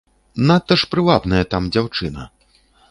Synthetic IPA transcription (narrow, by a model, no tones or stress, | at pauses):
nat̪ɐʂpɾɨvabnɐjɐt̪amd͡zʲawt͡ʂɨnɐ̰